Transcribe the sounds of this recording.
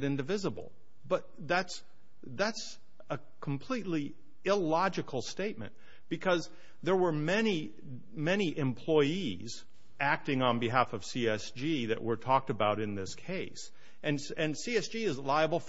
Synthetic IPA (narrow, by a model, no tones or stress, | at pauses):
ɾɪ̃ndɨvɪzəbl̩ˠ | b̥ʌt̪̚ðæts | ðæts | ə | kʰm̩pʰl̥itˡli | ɪlɑd͡ʒɨkʰl̩ˠsteɪt̚mɨ̰̃n | b̥ɨkʰʌz | ðə˞wə˞mɛni | mɛñiʔɨ̃mpʰl̥ɔɪiz | æk̚tɪ̃ŋə̃nbɨɦæfʌv̥siɛsd͡ʒiðɨ̰ʔwə˞tʰɔk̚tɨbaʊɾɨ̃nðɪskʰeɪs | ʔɨ̃n | ɨ̃nsiɛsd̥ʒ̥iɨzlaɪɨbl̩ˠf